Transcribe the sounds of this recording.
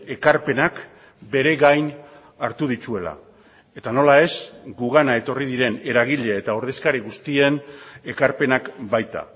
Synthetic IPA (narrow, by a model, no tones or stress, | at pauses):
e̞kaɾpe̞nak | be̞ɾe̞ɣajn | aɾt̪uð̞it͡ʃue̞la̰ | e̞t̪ano̞lae̞sɡuɣ̞anae̞t̪o̞riðiɾe̞ne̞ɾaɣ̞iʎe̞ːt̪ao̞ɾð̞e̞skaɾiɣust̪ie̞ne̞kaɾpe̞nakbajt̪a̰